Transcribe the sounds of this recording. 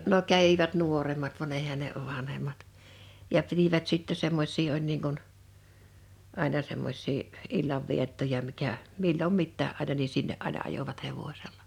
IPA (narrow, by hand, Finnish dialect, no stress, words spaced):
no kæʋiʋæt nuoremˑɑt ʋɑn eihæn̆ ne ʋɑnhemˑɑt jɑ pitiʋæt sitːe semːos̆ʲsiː olʲ niːŋ kun ɑˑinɑ semːos̆ʲsiː ilːɑʋːietːojɑ mikæ milːom mitːæː ʔɑˑinɑ ni sinːeʔ ʔɑinɑ ɑjoʋɑt heʋosʲelːɑ̥